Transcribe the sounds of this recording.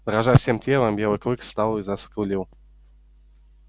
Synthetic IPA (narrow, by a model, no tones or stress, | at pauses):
d̪ɾaʒafsʲemtʲelˠəmbʲjɛlˠɨklˠɨkst̪alˠizaskulʲiw